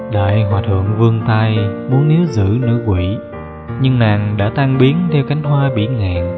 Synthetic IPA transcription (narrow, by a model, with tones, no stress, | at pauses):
ɗa̰ː˧˨jɦwaː˨˩t̪ʰɨ̰˧˨əŋvɨ˧əŋt̪aː˧jmu˨˦ənːi˨˦wzɨ̰˧˥nɨ̰˧˥kwḭ˧˨ | ɲɨ˧ŋnaː˨˩ŋɗa̰ː˧˥t̪aː˧ŋɓi˨˦ənt̪ʰɛ˧wka˨˦jŋ̟ɦwaː˧ɓḭ˧˩ŋaː˨˩ŋ